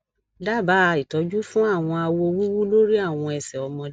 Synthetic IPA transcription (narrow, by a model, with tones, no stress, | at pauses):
da˦˨ba˨˦˧i˨tɔ˨˦d͡ʒu˦fũ˦a˦˨w̃ɔ̃˧a˧wɔ˧o˧wu˦wu˦lo˦ɾi˦a˦˨w̃ɔ̃˧ɛ˨sɛ˨ɔ˧mɔ̃˧